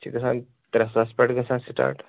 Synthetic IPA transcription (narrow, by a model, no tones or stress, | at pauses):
t͡ʃiɡɐsãn | t̪ɾɐsaspɐʈɡɐsãnsiʈa̰ːʈ